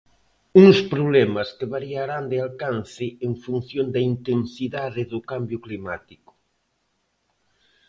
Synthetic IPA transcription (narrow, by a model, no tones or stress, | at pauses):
uŋspɾoβlɛmɐskɪβaɾiaɾand̪ɪalkanθɪeŋfun̟θjond̪ɐint̪ensiðaðɪðʊkambjʊklimat̪ikʊ̥